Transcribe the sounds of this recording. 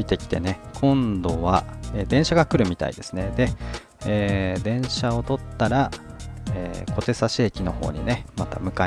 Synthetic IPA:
it̪e̞kʲi̥t̪e̞ne̞kʰõ̞nd̪o̞βaeːd̪ẽɰ̃ɕaɡakɯ̟ɾɯ̟mʲit̪a̰ḭd̪̥e̞sɨne̞d̪e̞ | eːd̪ẽ̞ɰ̃ɕaot̪o̞t̪ːaɾa | eːko̞t̪e̞saɕeːkʲino̞ho̞̰ːɲ̟ḭne̞mat̪a̰mɯ̟ka

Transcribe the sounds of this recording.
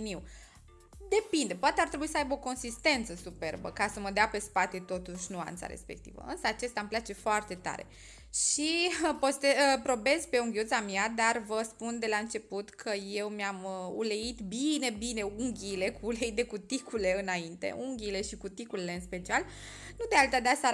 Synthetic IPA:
niw | d̪e̞pind̪epoat̪eaɾrt̪ɾe̞buisəajbo̞ko̞nsist̪e̞nt̪səsupe̞rbə̰kasəməd̪eape̞spat̪e̞t̪o̞t̪uʃʲnua̰nt̪sa̰ɾḛspe̞̰k̚t̪ḭvə̰ɨnsəat͡ʃe̞st̪amplat͡ʃe̞foart̪e̞t̪a̰ɾe̞̰ | ʃipost̪eəpɾo̞be̞zpe̞uŋɡʲiut̪samiad̪arvəspund̪e̞laɨnt͡ʃe̞put̪kʰəje̞wmjamṵle̞it̪bine̞bineuŋɡʲile̞kuːleid̪e̞kut̪ikule̞ɨnaint̪e̞̰ʔuŋɡʲile̞ʃikut̪ikulile̞ɨnspe̞t͡ʃial | nud̪ealt̪ad̪easa

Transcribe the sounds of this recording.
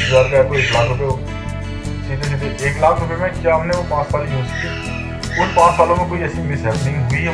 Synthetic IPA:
zaːɾpɛːkoeːklaːkʰɾʊpeːo | siːt̪eːʃ̬ɪt̪eʔeːklaːkʰɾʊpeːmẽt͡ʃaːmnẽopãːt͡ʃsaːliɦõːsə̥kːeː | ʊnpãːt͡ʃsaːlõːmẽkoːiəsĩːmɪsɛːbnɪ̃ːɡɦʊiː

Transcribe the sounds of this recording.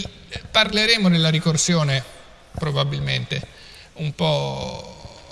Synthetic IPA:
parleɾeɛːmod̪elːaɾikorsjoːne | pɾobabilment̪e | umpɔ

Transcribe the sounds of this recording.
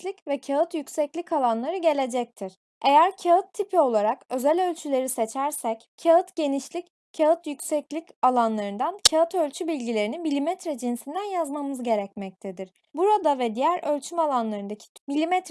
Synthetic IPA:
lʲicvɛcʰaɯt̪jycsɛclʲikʰalˠanlˠaɾɯɟe̞lʲe̞d͡ʒɛc̚t̪ʰiɾ̥ | e̞jæɾcʰaɯt̪ʰːipʰio̞lˠaɾakø̞zælʲø̞lʲt͡ʃʰylʲe̞ɾise̞t͡ʃʰæɾsɛc | cʰaɯt̪ɟe̞niʃlʲic | cʰaɯt̪jyksɛclʲicalˠanlˠaɾɯnd̪ancʰaɯt̪ʰø̞lʲt͡ʃʰybilʲɟilʲe̞ɾinibilʲimɛt̪ɾɛd͡ʒinsind̪ænjazmamɯzɟe̞ɾɛcmɛc̚t̪ʰed̪iɾ̥ | buɾad̪avɛd̪ijæɾølʲt͡ʃʰymalˠanlˠaɾɯnd̪acʰi̥milʲimɛt̪ɾ

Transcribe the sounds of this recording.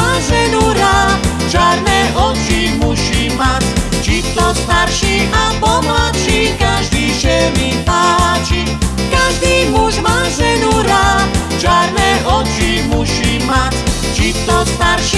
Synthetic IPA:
azɛnuɾa | t͡ʃaɾnɛʔɔt͡ʃi | muɕimat͡sʲt͡ʃit̪ɔst̪aɾʃiʔabɔmlatʃikaʒd̪iʃɛmip̪at͡ʃi | kaʒd̪imuzmazɛnuɾa | t͡ʃaɾnɛʔɔt͡ʃi | muʃima | t͡ʃit̪ɔst̪aɾʃi

